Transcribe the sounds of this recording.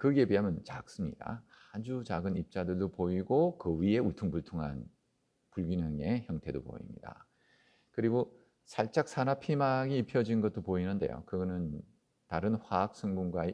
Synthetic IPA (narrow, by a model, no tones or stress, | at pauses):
kɯɡe̞piɦamjʌnt͡ɕak̚s͈ɯmɲida̰ | had͡ʑut͡ɕaɡɯnip̚t͡ɕ͈adɯɭdopoiɡokɯɥie̞uɭtʰuŋpuɭtʰoŋɦa̰n | puɭɡinaŋe̞çjʌŋtʰe̞dopo̰ḭmɲḭda̰ | kɯɾiɡo | sʰaɭt͡ɕ͈ak̚s͈ʰanapʰimaɡiːpʰjʌd͡ʑinɡʌt̚t͈opoinɯnde̞̰jo̰kɯɡʌnɯn | taɾɯnɸwaːk̚s͈ɯŋɡuŋɡwae